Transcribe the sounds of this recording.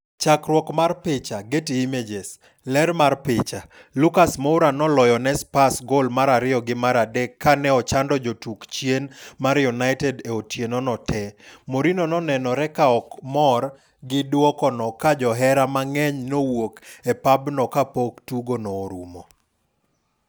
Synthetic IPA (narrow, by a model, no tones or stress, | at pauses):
t͡ʃakɾwɔkmarpɪt͡ʃaɡetiimed͡ʒes | lɛɾmarpɪt͡ʃa | lukasmoʊɾanɔlɔjɔnɛspasɡolmaɾaɾɪɔɡɪmaɾadɛkːanɛɔt͡ʃandɔd͡ʒotukt͡ʃjenmaɾjunaɪtɛdeotʰjenɔnɔtʰɛmoɾinɔnɔnɛnɔɾɛkaɔkmɔr | ɡɪdwɔkɔnɔkad͡ʒɔɦɛɾamaŋɛɲnowokepabnɔkapoktuɡonɔːɾṵmo